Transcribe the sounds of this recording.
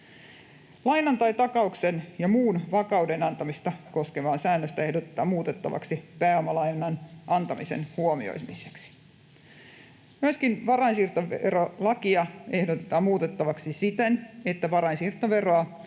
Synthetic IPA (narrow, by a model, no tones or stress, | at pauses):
lɑjnɑnt̪ɑjt̪ɑkɑuksenjɑmuːnʋɑkɑwdenɑnt̪ɑmist̪ɑko̞skeʋɑːnsæːnːøst̪æe̞hdot̪et̪ːˑɑ̰ːmuːt̪e̞t̪ːɑ̰ʋɑ̰ksipæːomɑlɑjnɑnʔɑnt̪ɑmisḛnhuomḭo̰imiseksi̥ | myøskinʋɑɾɑinsiːrt̪ɑeeɾolɑkiɑe̞hdot̪et̪ɑːmmuːt̪e̞t̪ːɑʋɑksisit̪ene̞t̪ːæʋɑɾɑinsirt̪ɑʋe̞roɑ